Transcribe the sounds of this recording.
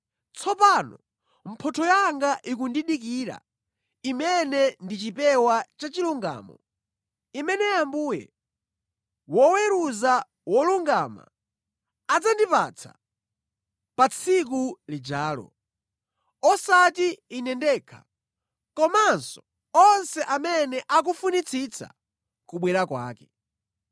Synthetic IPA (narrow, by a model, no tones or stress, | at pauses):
t͡sʰɔpanɔ̰ | m̩pʰɔtʰɔjaŋɡaʔik̬undiɗik̬iːɾa̰ | imɛnɛndit͡ʃipɛwat͡ʃat͡ʃiluŋɡa̰ːmɔ̰ | imɛnɛjambuːjɛ̰ | wɔwɛɾuza | wɔluŋɡama̰ | ad͡zandipa̰t͡sʰḁ̰ | pat͡sʰik̬ulid͡ʒaːlɔ̰ | ɔsatiːnɛndɛːkʰḁ | kɔmansɔ̥ | ɔnsɛʔamɛnɛʔak̬ufunit͡sʰit͡sʰa̰ | kuɓwɛɾakwa̰ːkɛ